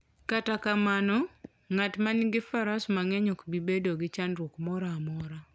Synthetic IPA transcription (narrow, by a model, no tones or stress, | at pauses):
katakamanɔ | ŋatmanɡɪfaɾasmaŋɛɲɔkbibedoɡɪt͡ʃanɾwɔkmɔɾaːmɔɾa